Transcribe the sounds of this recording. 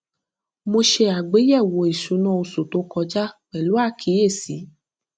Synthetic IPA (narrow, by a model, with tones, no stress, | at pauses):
mo˧ʃe˧a˨ɡ͡be˨˦jɛ˦˨wo˨˧˦i˨ʃu˨˦nɔ̃˦o˧su˨to˧˦kɔ˧d͡ʒa˦k͡pɛ˨lu˨˦a˦˨kʰi˨˦e˦˨si˨˦